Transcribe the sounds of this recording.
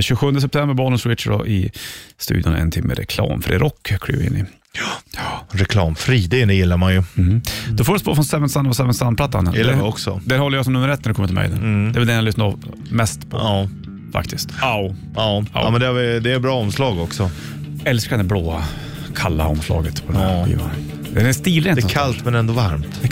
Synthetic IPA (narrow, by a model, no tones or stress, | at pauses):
ɕʉːɧɵnd̪əs̬ɛp̚t̪ʰɛmbəɾbɑːlənswɪt̪ʂɖɔ̰ʔɪst̪ʉ̟ːd̪jʊnɛ̰nt̪ʰɪmːə̰ɾɛkʰlɑ̰ːmfɾiɾʔɔkːkʰːɽy̰ːvɪ̰nːɪ̰ | ɾɛkʰlɑːmfɾiːd̪ɪnd̪ɛjɪlːaɾmanjɵ | d̪̥ɔfoːɖəspo̰ːfɾɔnsɛvənsanːɔsɛvənsanpʰlat̪ːan̰ːɔksɔd̪æɾhɔlːəɾjasɔmnɵmːəɾɛt̪nɾɖɛkɔmːət̪ʰɪlmɛ̰jd̪ɛ̰nd̪ɛvɛld̪ɛnjalʏsnaɾɔv | mɛst̪pʰɔɑː | fa̰kt̪ʰɪst̪aʊ | ɑːa̰mɛnd̪ɛavɪd̪ɛɛbɾɑːɔmslɑːɡɔksɔ | ɛlskaɾnɛbloːa | kʰalːa̰ɔ̰mslɑ̰ːɡət̪pʰɔd̪ɛæɧḭːva̰n | d̪ɛnɛst̪iːlɾɛnkʰalt̪mɛnɛnd̪ɔvaɾmt̪